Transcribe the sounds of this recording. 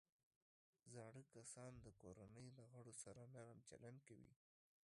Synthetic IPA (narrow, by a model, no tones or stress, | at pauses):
zɑɽəkasɑnd̪əkoɾanəjlaɣaɽosaɾanaɾamt͡ʃa̰lankawḭ